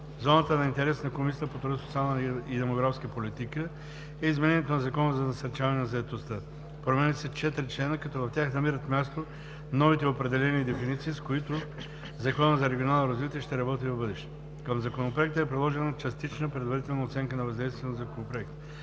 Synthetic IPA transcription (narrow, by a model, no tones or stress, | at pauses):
zɔnət̪ənɐint̪ɛɾɛsnɐkomisit̪əpot̪ɾɔsot̪sialˠnəid̪ɛmoɡɾafskəpolit̪ikə | ɛizmɛnɛnʲjɛt̪onɐzɐkɔnəzɐnɐsɐɾt͡ʃavɐnɛnɐzɐɛt̪ost̪ə | pɾomɛnit̪sɛt͡ʃɛt̪ɾit͡ʃlɛnəkɐt̪ɔvɐft̪ʲaxnɐmiɾət̪mʲjast̪o | nɔvit̪ɛopɾɛd̪ɛlɛnid̪ɛfinit̪siːskoit̪ʊ | zɐkɔnəzɐɾɛɡʲionalˠnoɾɐzvit̪iɛʃt̪ɛɾɐbɔt̪ivɐvbɤd̪ɛʃt̪ɛ | kəmzɐkonopɾoɛk̚t̪əɛpɾid̪lˠɔʒɛnət͡ʃɐst̪it͡ʃnəpɾɛd̪vɐɾit̪ɛlˠnɐot̪sɛŋkənɐvɐzd̪ɛjst̪viɛnzɐkonopɾoɛkt̪